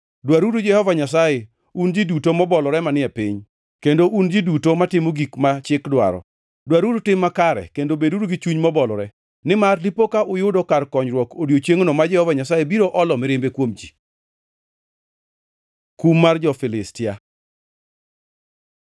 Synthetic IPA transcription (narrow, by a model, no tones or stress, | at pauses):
dwaɾudod͡ʒɛhɔvaɲasaje | und͡ʒidutomɔbɔlɔɾɛmanɪɛpɪɲ | kendoʔund͡ʒidutomatɪmoɡikmat͡ʃɪkdwa̰ɾɔ̰ | dwaɾudotɪmːakaɾɛ̰kendobedudoɡɪt͡ʃuɲmɔbɔlɔɾɛ | nɪmarlipokaʔʊjʊdɔkarkɔɲɾwɔkodjot͡ʃeŋonomad͡ʒɛhɔvaɲasajebiɾoʔɔlɔmɪɾɪmbekwomd͡ʒi | kumːard͡ʒɔfɪlɪstɪa